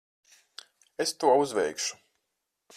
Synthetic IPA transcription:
est̪uɔuzvɛjkʃu̥

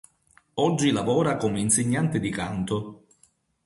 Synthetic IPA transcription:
ɔd͡ʒːilavɔːɾakomeinsɪɲːant̪ɪd̪ikant̪ʊ

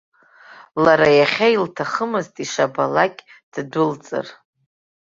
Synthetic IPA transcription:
laɾajaχʲailtʰaχəmɨztʼiʂabalakʲʼ | d̥dʊlt͡sʼɨ̰r

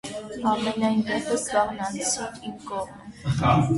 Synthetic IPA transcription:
ɑmɛnɑjnd̪ɛpəsɡɑʁnɑnt͡sʰinimkɔʁm

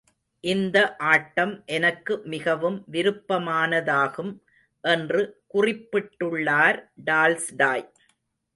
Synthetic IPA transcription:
ʔɪnd̪ɐʔaːʈːɐmʔɛnɐkːɯmɪɣɐʋɯmʋɪɾɯpːɐmaːnɐðaːɣɯm | ʔɛndrɯkʊrɪpːɪʈːɯɭːaːɾɖaːlsɖaːj

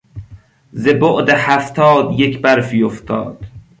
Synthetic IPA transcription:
zeboʔd̪ehæft̪ʰɒːd̪jekʰbæɾfijoft̪ʰɒ̰ːd̪̥

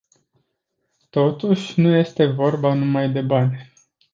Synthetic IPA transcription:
t̪o̞t̪uʃʲnuje̞st̪e̞vo̞rbanumajd̪e̞banʲ

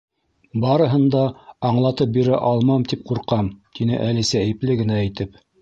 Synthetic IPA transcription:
bɑɾɤ̆ɦɤ̆nd̪ɑːɴlˠɑt̪ɤp̚biɾæʔɑlˠmɑmt̪ip̚quɾqɑmt̪inɘ̰ʔælisæɘplɘɡɘ̆næːjt̪ɘp

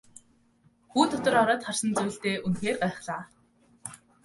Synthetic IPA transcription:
xuːt̪ʰʊt̪ɞ̆rɔɾɔːt̪χarsə̆nt͡sujɬt̪eːʔunxeːrɢæːχɮaː

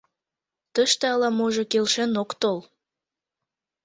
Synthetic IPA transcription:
t̪əʃt̪eɑlɑmoʒokelʃenokt̪ol

